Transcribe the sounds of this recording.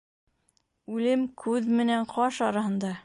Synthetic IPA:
ʉlɘmkʰʉðmɘ̆næɴqɒʃɒɾɑhɤ̆nd̪ɑ

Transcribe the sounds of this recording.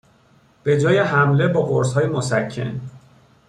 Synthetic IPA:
b̥e̞d͡ʒɒːjeɦæmle̞bɒːɡoɾshɒːjemosæcʰːe̞̰n

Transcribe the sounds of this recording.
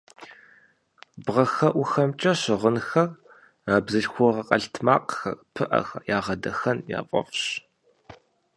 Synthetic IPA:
bʁɐxɐʔʷʊxɐmt͡ʃʼɐɕɪʁənxɐr | aːbzɨɬxʷʊʁɐqʼɐɬtʰmaːqxɐ̰rpʰɨʔɐ̰xjaːʁɐdɐxɐnja̰ːfʼɔ̰fɕ

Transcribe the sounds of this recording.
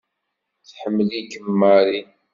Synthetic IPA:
θħəmːəlikəmːaɾi

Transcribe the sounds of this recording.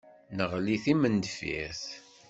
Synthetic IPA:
nəʁliθimənd̪fḭθ

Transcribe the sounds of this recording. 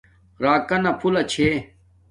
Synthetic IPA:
ɾaːkɐnɐpʰulɐt͡ɕʰeː

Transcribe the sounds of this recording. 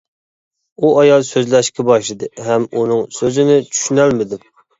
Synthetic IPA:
uɑjɑlˠsøzlɛʃkʲɛbɑʃlˠɨd̪ɨɦɛmunɨŋsøzɪnɪt͡ʃʰy̥ʃynɛlmɪd̪ɪm

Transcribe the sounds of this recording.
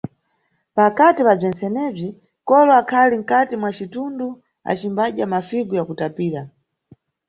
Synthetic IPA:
pakatipab͡ʐɛnt͡sɛnɛb͡ʐi | kɔlɔakʰaliŋ̩katimwat͡ʃitundu | a̰t͡ʃimbaɗjamafiɡujakutapiːɾa

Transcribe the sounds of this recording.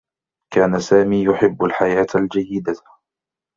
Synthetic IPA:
kaːnasaːmiːjʊħɪbːalħajaːt̪ald͡ʒajːɪd̪a

